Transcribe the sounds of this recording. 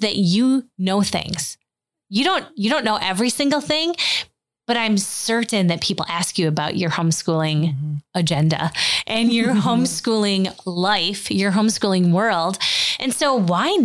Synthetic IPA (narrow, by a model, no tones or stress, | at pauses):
ðɨt͡ʃɨnoʊθɪ̰̃ŋz̥ | jɨɾõʊ̃njɨɾõʊ̃nːoʊʔɛvɹisɪ̃ŋɡl̩ˠθɪ̃ŋ | b̥ʌɾãɪ̃msɜ˞ʔn̩ðɨt̚pʰipl̩ˠæskjɨɨbaʊt͡ʃə˞hõʊ̃mskulˠɪ̃ŋəd͡ʒɛ̃ndɨ̰ʔɨ̃njə˞hõʊ̃mskulˠɪ̃ŋlaɪfjə˞ɦõʊ̃mskulˠɪ̃ŋwɜ˞lˠdʔɨ̃nsoʊwaɪ